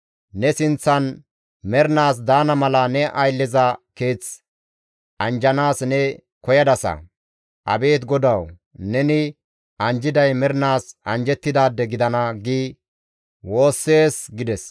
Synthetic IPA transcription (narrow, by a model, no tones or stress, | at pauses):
nɛsɪnt͡sːɐn | mɛɾnaːs̬d̪aːnɐmɐlɐnɛʔɐjlːɪzɐke̞ːt͡s | ʔɐnd͡ʒɐnaːsnɛ | kɔjɐd̪ɐsɐ̰ | ʔɐ̰be̞ːt̪ɡɔd̪ɐw | nɛnɪ | ʔɐnd͡ʒɪd̪ɐjmɛɾnaːsɐnd͡ʒɛt̪ːɪd̪aːd̪ːɛɡɪd̪ɐnɐɡiː | wo̞ːsːe̞ːsɡɪd̪ɛs